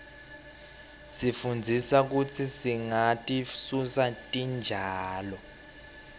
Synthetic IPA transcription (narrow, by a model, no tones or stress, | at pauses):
sifund͡zʱisak̬ut͡sʰisiŋatʼisusatʼind͡ʒʱaːlɔ